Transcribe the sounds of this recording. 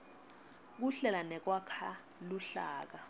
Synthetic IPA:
k̬uɬɛlanɛk̬wakʰa | luɬa̰ːk̬a

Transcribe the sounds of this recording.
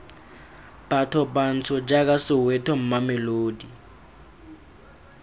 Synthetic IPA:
b̥atʰɔban̩t͡sʰɔd͡ʒak̬ʼasɪwɛtʰɔm̩mamɛloːdi

